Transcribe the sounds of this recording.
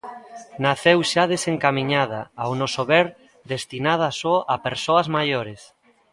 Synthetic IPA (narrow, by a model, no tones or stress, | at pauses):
naθewʃað̞eseŋkamĩɲaðaawnosoβɛɾ | d̪est̪inað̞asoʔapeɾsoɐzmajoɾes